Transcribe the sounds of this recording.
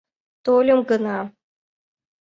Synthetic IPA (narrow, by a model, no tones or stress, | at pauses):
t̪olʲomɡɤnɑ